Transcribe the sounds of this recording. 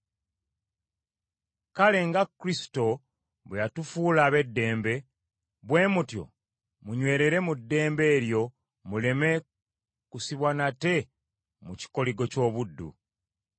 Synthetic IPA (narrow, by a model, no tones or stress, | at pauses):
kale̞ŋɡakːɾisi̥to̞ | βwejatufuːlaːβe̞dːe̞ːmbe̞ | βwe̞ːmutjo̞̰ | muɲwe̞ːɾe̞ɾe̞mudːe̞ːmbe̞ːɾjo̞ | mule̞me̞ | kusiβwanate̞ | muci̥ko̞liɡo̞co̞ːβudːṵ